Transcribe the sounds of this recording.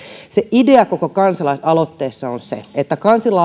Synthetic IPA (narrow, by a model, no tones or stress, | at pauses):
seʔideɑkokokɑnsɑlɑisɑlot̪ːeːsːɑonsḛet̪ːækɑnsilɑ